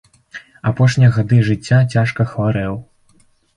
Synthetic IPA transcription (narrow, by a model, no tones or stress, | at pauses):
apɔʂnʲijɐɣad̪ɨʐɨt͡sʲːat͡sʲaʂkɐxvaɾɛw